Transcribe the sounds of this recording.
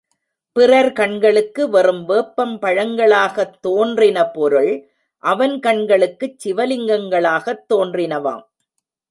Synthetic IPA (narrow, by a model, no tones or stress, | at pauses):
pɪrɐɾkɐɳɡɐɭɯkːɯʋɐrɯmʋeːpːɐmpɐɻɐŋɡɐɭaːɣɐt̪ːoːndrɪnɐpɔɾɯɭ | ʔɐʋɐnkɐɳɡɐɭɯkːɯt͡ʃːɪʋɐlɪŋɡɐŋɡɐɭaːɣɐt̪ːoːndrɪnɐʋa̰ːm